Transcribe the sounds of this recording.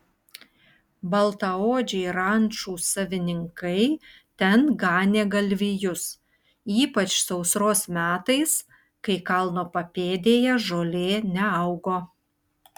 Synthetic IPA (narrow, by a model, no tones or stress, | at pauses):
bɐlˠt̪ɐoːd͡ʒʲɛɪɾɐnʲˑt͡ʃuːsɐʋʲɪnʲɪŋkɐɪ | t̪ʲɛnɡɑːnʲeːɡɐlʲʋʲijʊs | iːpɐt͡ʃsɐʊsɾoːsmʲæːt̪ɐɪs | kɐɪkɐlˠnoːpɐpʲeːd̪ʲeːjɛʒoːlʲeːnʲɛɐʊɡoː